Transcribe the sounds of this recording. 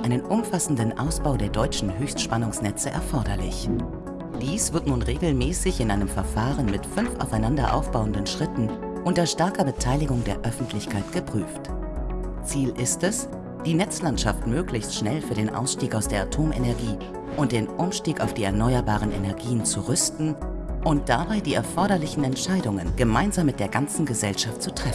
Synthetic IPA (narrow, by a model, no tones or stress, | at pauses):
ʔaɪnənʔʊmfasn̩dənʔa̰ʊsb̥aʊdeːɐdɔʏt͡ʃn̩ɦøːçstʃpanʊŋsnɛt͡səʔɛ̰ɐfɔɐɾɐlɪ̰ç | d̥iːsv̥ɪɐtnuːnʁeːɡl̩mɛːsɪçɪnʔaɪnəmfɛɐfaːʁənmɪtfʏnfʔa̰ʊfaɪnandɐʔa̰ʊfb̥aʊəndənʃʁ̥ɪtn̩ | ʔʊntɐʃtɛɐkɐbətʰaɪlɪɡʊŋdeːɐʔœfn̩tʰlɪçkʰaɪtɡ̥əpʁ̥yːft | t͡siːlɪstɛs | d̥iːnɛt͡slantʃaftmøːklɪçstʃnɛlfyːɐdeːnʔa̰ʊsʃtiːkaʊsd̥eːɐatʰoːmʔḛnɛɐɡiː | ʔʊnt̚d̥eːnʔʊmʃtiːkaʊfd̥iːɛɐnɔʏɐbaːʁ̞ənʔḛnɛɐɡiːənt͡suʁʏstn̩ | ʔʊnt̚d̥abaɪdiːɛɐfɔɐɾɐlɪçn̩ɛntʃaɪdʊŋənɡ̥əmaɪnzaːmːɪt̚d̥eːɐɡant͡sn̩ɡəzɛlʃaftt͡sutʁ̥ɛfn̩